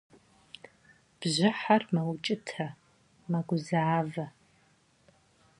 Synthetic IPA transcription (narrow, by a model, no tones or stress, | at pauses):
b̥ʑɪħarmɐwt͡ʃʼɪtʰɐ | mɐɡʷʊzaːvɐ